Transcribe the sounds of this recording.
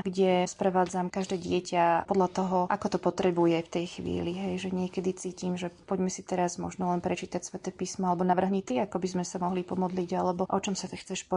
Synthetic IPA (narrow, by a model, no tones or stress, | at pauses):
ɡɟɛspɾɛʋaːd͡zamkaʒd̪ɛːɟɪɛcapɔd̪lʎat̪ɔɦɔʔakɔt̪ɔpɔt̪ɾɛbujɛft̪ɛjxʋḭːliɦɛjʒɛɲɪɛkɛd̪it͡siːcimʒɛpɔɟmɛsit̪ɛɾazmɔ̰ʒnɔlɛnpɾɛt͡ʃiːt̪acsʋɛt̪ɛːpiːsmɔalɛbɔnaʋr̩ɦɲit̪iakɔbizmɛsamɔɦlipɔmɔd̪liːɟalɛbɔʔɔt͡ʃɔmsat̪ɛxt͡sɛʃpɔ